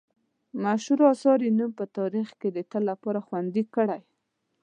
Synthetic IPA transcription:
maʃuɾɑsɑɾinumpət̪ɑɾixked̪ət̪əlːapɑɾaxwand̪ikəɽaj

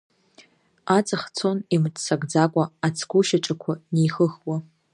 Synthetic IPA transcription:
at͡sʼɨχt͡sʰonimtʰʼsaɡʼd͡zakʷʼaat͡sʰkʷuʃaʈ͡ʂʼakʷʰanejxəxwa

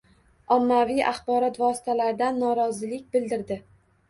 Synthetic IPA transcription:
ɒmːavijʔaχbɒɾɒt̪vɒsɪ̥t̪ʰalaɾd̪anːɒɾɒzɪlɪk̚ʲbɪld̪ɪɾd̪ɪ

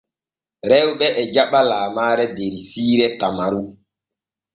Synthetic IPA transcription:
ɾɛwɓɛʔɛd͡ʒaɓalaːmaːɾɛdeɾisiːɾɛtamaɾu

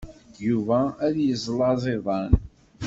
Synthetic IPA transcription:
juvæːðjəzˤlɑzˤeðˤɑn

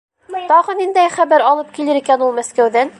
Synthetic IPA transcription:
t̪ɑʁɤnind̪æjχæβæɾɑlˠɤp̚kilɘɾikænulˠmæskæwðæn

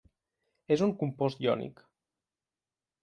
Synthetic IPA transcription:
ezuŋkumpɔst̪iɔ̰nḭk

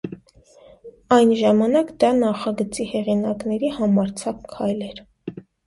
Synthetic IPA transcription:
ɑjnʒɑmɑnɑkd̪ɑnɑχɑɡət͡sihɛʁinɑknɛɾihɑmɑɾt͡sʰɑkkʰːɑjlɛɾ

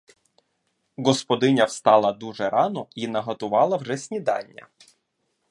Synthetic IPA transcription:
ɡɔspɔd̪ɪnʲɐwst̪ɑlˠɐd̪uʒɛɾɑnɔinɐɦɐt̪ʊʋɑlˠɐwʒɛsʲnʲid̪ɑ̰nʲːɐ̰

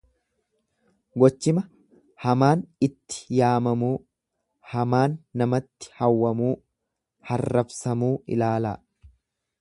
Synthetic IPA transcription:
ɡɔt͡ʃːɪmɐ | hɐmaːnɪt̪ːɪ̥jaːmɐmuː | hɐmaːnːɐmɐt̪ːɪ̥hɐwːɐmuː | hɐrːɐbsɐmuːʔɪ̰laːla̰ː

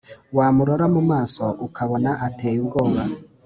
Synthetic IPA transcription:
waːmuɾoɾamumaːsoʔukʰaβonaʔateːjubɡoːβa

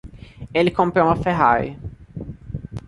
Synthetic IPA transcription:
elɪkõmpɾoũmɐfeɦaɾjɐ

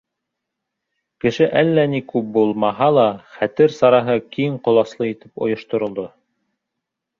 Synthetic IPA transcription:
kɘ̆ʃɘʔælːænikʉp̚bulˠmɑɦɑlˠɑχæt̪ɘɾsɑɾɑɦɤkiɴqŏlˠɑslˠɤit̪ɘ̥pŏ̰jŏʃt̪ŏɾŏlˠd̪o

